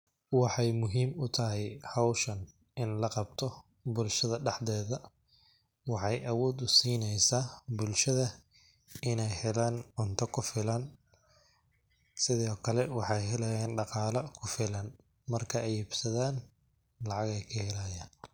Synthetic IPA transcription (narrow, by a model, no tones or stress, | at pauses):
wɑħɑjmʊɦiːmʊt̪ʰɐɦɛjhɑwʃɐn | ɪnlɐqɑb̚t̪ʰɔ | bʊlʃɐðɐɖɑħd̪ɛːðɐ | wɑħɑjʔɐwɔːd̪ʊsiːnɛjsaːbʊlʃɐðɐ | ɪnɛjhɛlaːnʕʊnt̪ʰɐkʰʊfɪlɐn | sɪðɔːkʰɐlɛwɑħɑjɦɛlɐjɛːnɖɑqɑːlɐkʰʊfɪlɐn | mɐrkʰɐɛjhɪbsɐðaːn | lɑʕɑɣɛjkʰɐhɛlajaːn